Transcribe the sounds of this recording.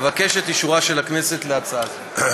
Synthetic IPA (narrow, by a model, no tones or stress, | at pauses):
vakeʃet̪iʃuʁaʃe̞lakne̞set̪leat͡sal